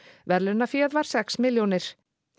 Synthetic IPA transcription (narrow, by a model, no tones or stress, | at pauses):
vɛɾlʏnːafjɛːðvaɾ̥sɛksmɪljownɪɾ̥